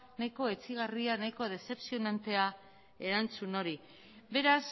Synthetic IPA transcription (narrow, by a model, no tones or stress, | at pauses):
najko̞e̞t͡siɣ̞arianajko̞ð̞e̞se̞psio̞nant̪e̞a | e̞ɾant͡suno̞ɾi | be̞ɾas